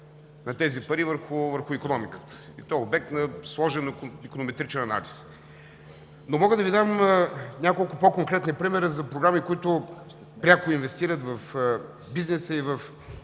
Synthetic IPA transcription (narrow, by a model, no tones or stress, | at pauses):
nɐt̪ɛzipɐɾivəɾxʊvəɾxʊikonɔmikə̥t̪ə̥ | it̪ɔjɛobɛk̚t̪nɐslˠɔʒɛnikonomɛt̪ɾit͡ʃɛnɐna̰lis | nomɔɡəd̪ɐvid̪amnʲakolˠkʊpokoŋkɾɛt̪nipɾimɛɾəzɐpɾoɡɾamikʊit̪ʊ | pɾʲakʊinvɛst̪iɾət̪vɐf | biznɛsəivɐf